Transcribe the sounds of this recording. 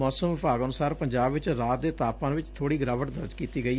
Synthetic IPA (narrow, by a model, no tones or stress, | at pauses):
ɔːsəmʋɪpaːɡənʊsaːɾpəɲd͡ʒaːbʋɪt͡ʃɾaːt̪̚d̪eːt̪aːpãːnʋɪt͡ʃt̪ʰoːɽiːɡɾaːʋəʈd̪əɾd͡ʒkiːt̪iːɡəiː